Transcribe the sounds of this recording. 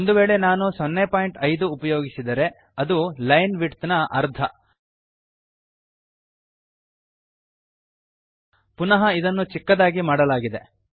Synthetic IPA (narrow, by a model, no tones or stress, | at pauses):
ond̪uʋeːɭe̞naːnusonːepaːjiɳʈɐjd̪uːpɐjo̞ːɡisid̪ɐɾe̞ | ɐd̪ulɐjnʋiʈt̪nɐʔɐɾd̪ʰʱɐ | punɐɦɐid̪ɐnːut͡ʃikːɐd̪aːɡimaːɽɐlaːɡid̪e̞